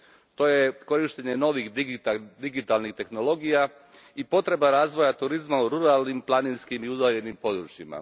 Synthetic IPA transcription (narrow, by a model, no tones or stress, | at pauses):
t̪o̞je̞ko̞ɾiʃt̪eɲe̞no̞ʋixd̪iɡit̪alnixt̪e̞xno̞lo̞ɡija | ipo̞t̪ɾe̞baɾaːzʋo̞jat̪uɾizmauɾuɾalˠnimplˠaninskimiud̪aːʎe̞nimpo̞d̪ɾut͡ʃjima̰